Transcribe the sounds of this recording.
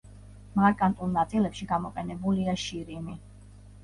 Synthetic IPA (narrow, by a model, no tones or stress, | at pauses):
maɾkʼant̪ʼulˠnat̪sʼilɛpʃiɡamɔqʼɛnɛbuliaʃiɾimi